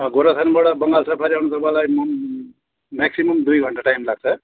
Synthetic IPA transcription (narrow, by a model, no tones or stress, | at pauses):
ɡoɾasʰʌnbʌɽabʌŋɡalsʰʌpʰʌɾiawñut̪ʌbãlajm | mɛksimʌmd̪ujɡʱʌɳʈaʈajmlaɡ̚t͡sʰʌ